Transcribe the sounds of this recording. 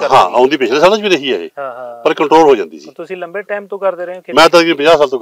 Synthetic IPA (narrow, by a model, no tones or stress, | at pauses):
ɦã̰ːã̰ːnd̪iːp̬eːʃʰlẽsaɾət͡ʃbiːnəɦiːaːɦḛːpəɾkəɳʈɾoːlɦoːd͡ʒãːnd̪ḭːsiːʊĩːləeʈːmt̪õkəɾmɛ̃ːd̪əɾɡip̬əɲd͡ʒaːsaːlt̪õː